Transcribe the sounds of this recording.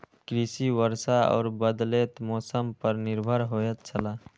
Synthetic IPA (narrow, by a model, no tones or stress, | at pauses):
kɾisiwəɾsaɔ̰ːɾbəd̪leːt̪mɔːsəmpəɾnɪɾbʱəɾɦoːjət̪̚t͡ʃʰəlaː